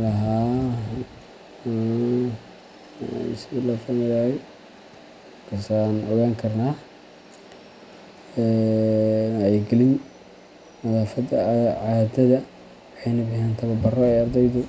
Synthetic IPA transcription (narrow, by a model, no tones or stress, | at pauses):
lɐɦaː | silɐfamɪðaːjɛ | kʰasanʔɔɣaːŋkʰɐrnaː | ɛ | naɛɡɛlɪn | mɐðaːfɐd̪ɐʕaːd̪ɐðɐ | wɑħɑjnɐbɪɦɛnt̪ʰɐβɐbɐrɔɛɑrd̪ɛjðʊ